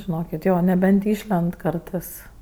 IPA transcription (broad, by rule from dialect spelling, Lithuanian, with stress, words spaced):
ʒʲɪˈnoːkʲɪt ˈjoː nʲɛˈbʲɛnt ˈɪʃʲlʲɛnt ˈkɐrtɜs